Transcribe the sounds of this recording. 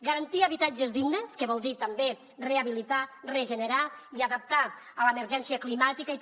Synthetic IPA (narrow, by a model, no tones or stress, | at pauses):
ɡaɾant̪iəβ̞it̪ad͡ʒəzðiɡnəskəβɔlˠd̪it̪əmbe | reaβilit̪areʒənəɾaiaðəp̚t̪a | ələeməɾʒɛnsiəklimat̪ikai